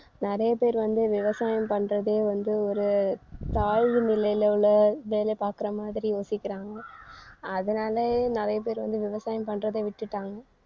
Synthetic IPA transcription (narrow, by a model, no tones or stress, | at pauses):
nɪɾɐjɐpeːɾʋɐnd̪ɯʋɪʋɐsaːjɐmpɐɳːɾɐðeːʋɐnd̪ɯɔɾɯt̪aːɻɣɯnɪlɐjlɐɭɐʋeːlepaːɾkɪɾɐmaːðɪɾijoːsɪkːɪɾaːŋɡɐː | ðɐnaːlɐnɪɾɐjɐp̬eːɾʋɐnd̪ɯʋɪʋɐsaːjɐmpɐɳːɾɐðeːʋɪʈːɯʈːaːŋɡɐ